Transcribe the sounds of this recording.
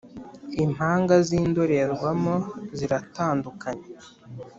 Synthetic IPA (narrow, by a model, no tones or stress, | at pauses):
im̥haːŋɡaziːndoɾe̞ɾɡwamoziɾataːndukʰaɲe